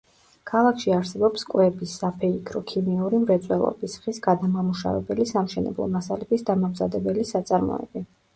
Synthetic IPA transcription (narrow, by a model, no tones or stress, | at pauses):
kʰalˠakʰʃiaɾsɛbɔpskʼwɛbisːapʰɛikʰɾɔkʰimiuɾimɾɛt̪sʼwɛlˠɔ̰bisχisɡad̪amamuʃa̰vɛ̰bɛlisamʃɛnɛ̰blˠɔ̰masalɛt̪ʰisd̪amamzad̪ɛbɛlisat̪sʼaɾmɔ̰ɛ̰bi